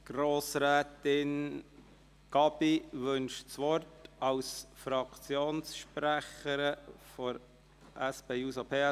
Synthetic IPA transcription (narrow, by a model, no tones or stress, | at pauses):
ɡ̥roːsɾɛːtɪn | ɡ̥ɑbiʋʏnʃt͡sʋɔrtɑwsfɾɑkʰt͡sjoːnsʃpɾæχəɾəfɔɾ | ʔæsb̥eːuːsopʰeː